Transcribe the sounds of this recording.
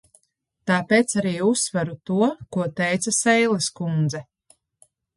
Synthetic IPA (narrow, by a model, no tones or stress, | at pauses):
t̪aːpeːt̪saɾiːusːvaɾut̪uɔkuɔt̪ɛjt̪sasɛjlˠeskund̪zɛ